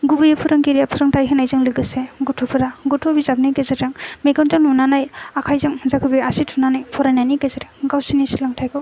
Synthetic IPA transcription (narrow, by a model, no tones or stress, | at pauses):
ɡubɯjɯpʰuɾɯŋɡiɾijapʰuɾɯŋtʰajɦɯnajzɯŋlɯɡɯseɡutʰɔpʰɯɾaɡutʰobizab̚nikezaɾaŋmeɡɔntɯŋnunanajakʰajzɯŋzakʰɯbiasitʰunanajpʰɔɾajnajnikezaɾeŋɡawsinisilaŋtʰajɡɯw